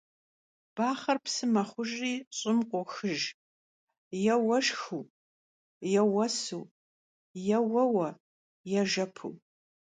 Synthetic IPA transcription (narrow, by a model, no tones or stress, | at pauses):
b̥aːχɐrpsɨmɐχʷʊʒriːɕʼɪmqʷʼɔxɨʒ | jɛwɐʃxuː | jɛwɐsuː | jɛwɐwɐ | jɛʒɐpʰṵː